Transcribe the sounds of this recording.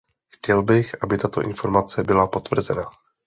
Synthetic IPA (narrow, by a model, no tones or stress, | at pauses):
xcɛlbɪxʔabɪt̪at̪o̞̰ʔɪ̰nfo̞ɾmat͡sɛbɪlapo̞t̪vr̩zɛna